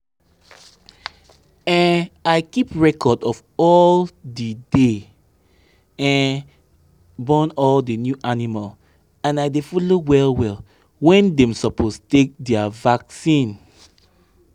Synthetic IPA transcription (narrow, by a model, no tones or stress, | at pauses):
ɛ̃naɪkipɹɛkʰɔdɔf | ɔldide | ɛ̃n | bɔ̃nɔldinjuʔanimal | ãnaɪdefɔlowɛlwɛl | wɛ̃ndɛ̃msɔpʰostek̚dɛavaksĩn